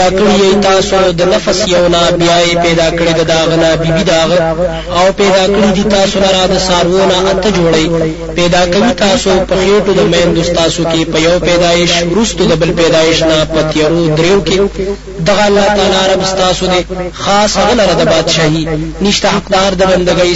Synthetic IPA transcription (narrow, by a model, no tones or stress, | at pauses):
akəɽijajt̪ɑːsod̪ənafasjawnabjɑjepɛd̪ɑkəɽed̪ad̪aɣənabibid̪aɣə | awpɛd̪ɑkəɽid̪it̪ɑːsonaɾad̪əsɑɾwonaʔat̪əd͡ʒoɽɐj | pɛd̪ɑkawit̪ɑːsopəxeʈod̪əmand̪ost̪ɑːsokepəjɐwpɛd̪ɑːɪʃwɾust̪od̪əbəlpɛd̪ɑːɪʃnapət̪jaɾod̪ɾewoke | d̪aɣaːlːaːht̪aːlaɾabst̪ɑːsod̪exɑːshaɣəlaɾad̪əbɑːd̪ʃaːɦiniʃt̪aɦaqd̪ɑːɾd̪əbɐnd̪aɡəj